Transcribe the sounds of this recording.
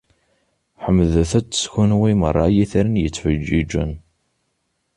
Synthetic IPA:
ħəmːðθæt͡sːə̥sçunwimə̰rˤːɑjiθəɾənjət͡sːfəd͡ʒid͡ʒə̰n

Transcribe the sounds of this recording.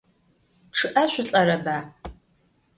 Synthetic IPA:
ʈ͡ʂʰɨʔɐɕʷʊɬʼɐɾɐbaː

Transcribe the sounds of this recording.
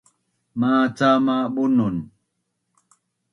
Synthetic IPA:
mat͡samaɓunun

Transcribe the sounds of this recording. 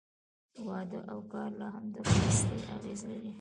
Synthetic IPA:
wɑd̪əʔawkɑɾlaɦamd̪ɑxasɾeʔa̰ɣezlaɾi

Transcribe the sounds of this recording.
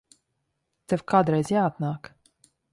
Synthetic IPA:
t͡s̪ɛfkad̪ɾɛzʲjat̪nak

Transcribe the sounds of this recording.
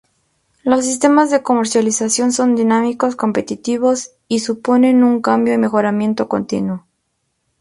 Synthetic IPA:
lo̞s̬ːist̪e̞mazðe̞ko̞me̞ɾsjalisasjo̞nso̞nd̪inamiko̞sko̞mpe̞t̪it̪iβo̞s | isupo̞ne̞nuŋkambjo̞ime̞xo̞ɾamje̞nt̪o̞ko̞̰nt̪ḭnwo

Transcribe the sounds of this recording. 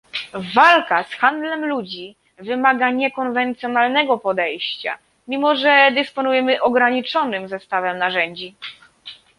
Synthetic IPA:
valkasxand̪lɛmlud͡ʑi | vɘmaɡaɲɛkɔnvɛnt̪sʲjɔnalnɛɡɔpɔd̪ɛjɕt͡ɕa̰ | mʲimɔʐɛd̪ɛspɔnujɛmɘʔɔɡɾaɲit͡ʂɔnɘmzɛst̪avɛmnaʐɛɲd͡ʑi

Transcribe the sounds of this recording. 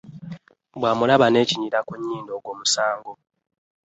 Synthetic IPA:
bwaːmulaβane̞ːciɲiɾakuɲːiːndo̞ːɡwo̞ːmusaːŋɡo̞

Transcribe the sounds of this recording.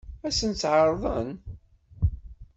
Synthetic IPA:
æsənt͡sːʕəɾˤðˤən

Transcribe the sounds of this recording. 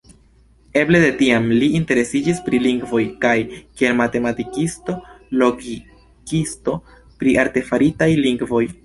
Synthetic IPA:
e̞ble̞de̞tiamliːnte̞ɾe̞sid͡ʒispɾiliŋɡvo̞jkajkie̞lmate̞matikisto̞lo̞ɡi | kisto̞ | pɾiʔaɾte̞faɾitajliŋɡvo̞j

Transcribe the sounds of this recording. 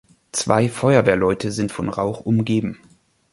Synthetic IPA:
t͡sv̥a̰ɪfɔʏɐveːɐlɔʏtʰəzɪntfɔnʁaʊχʔʊmɡeːbm̩

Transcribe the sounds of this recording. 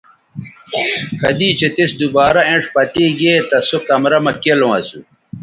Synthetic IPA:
kɐd̪iːt͡ɕet̪isd̪ubaːɾɐẽɳʈ͡ʂpɐt̪iɡeːt̪ɐsokɐmɾɐmɐkelõɐ̰su

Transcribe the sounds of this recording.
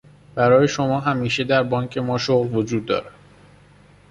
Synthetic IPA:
b̥æɾɒːje̞ʃo̞mɒːɦæmiːʃe̞d̪æɾbɒːŋcʰe̞mɒːʃoɣlvo̞d͡ʒuːd̪̚ːɒ̰ːɾæ̥

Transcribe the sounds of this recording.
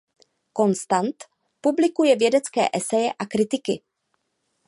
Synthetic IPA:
ko̞nst̪ant̪ | publɪkujɛvjɛdɛt͡skɛ̰ːʔɛsɛjɛʔakɾɪt̪ɪkɪ

